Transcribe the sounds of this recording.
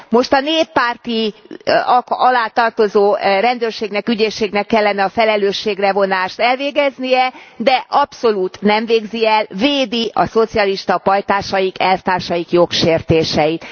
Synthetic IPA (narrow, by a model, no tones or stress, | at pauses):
mo̞ʃt̪ɒneːpːaːrt̪i | ɒkɒlaːt̪ɒrt̪o̞zoːrɛnd̪øːrʃeːɡnɛkyɟeːʃːeːɡnɛkːɛlːɛnɛɒfɛlɛløːʃːeːɡrɛvo̞naːʃt̪ɛlveːɡɛznijɛd̪ɛʔɒpso̞luːt̪nɛɱveːɡziɛlveːd̪iɒ̰so̞t̪siɒliʃt̪ɒpɒjt̪aːʃɒjikɛlft̪aːrʃɒjikjo̞kʃeːrt̪eːʃɛjit̪